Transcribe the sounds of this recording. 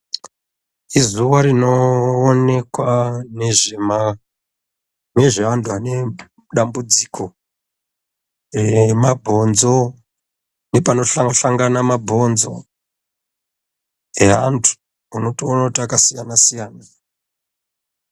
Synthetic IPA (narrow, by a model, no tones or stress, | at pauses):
izuʋaɾino̞ːne̞kwaneʐema | ne̞ʐeandʰuane̞ | ɗambud͡zikʰo̞ | remabʱo̞nzo̞ | nepano̞ɬaŋɬaŋɡanamabʱo̞nzo̞̰ | eɦantʰu̥ | uno̞toonakutiakasijanasijaːna